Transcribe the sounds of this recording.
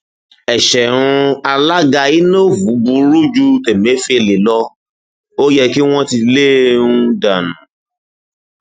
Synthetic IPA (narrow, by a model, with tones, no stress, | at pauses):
ɛ˨ʃɛ˨ɾ̃ũ˧a˧la˦ɡa˧i˦no˦˨vu˨˦bu˧ɾu˦d͡ʒu˦tɛ˨mẽ˨˦fi˦e˨le˨lɔ˧ | o˦jɛ˧ki˦w̃ɔ̃˦ti˧le˦nũ˦da˨nũ˨˦